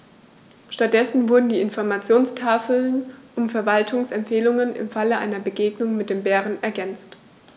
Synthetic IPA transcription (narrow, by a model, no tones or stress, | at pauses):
ʃtat̚d̥ɛsn̩vʊɐdn̩diːɪnfɔɐmat͡sjoːnstʰaːfl̩nʔʊmfɛɐvaltʰʊŋsɛmpfeːlʊŋənʔɪ̰mfaləʔa̰ɪnɐbəɡeːɡnʊŋmɪt̚d̥eːmbɛːʁ̞ənɛɐɡɛnt͡st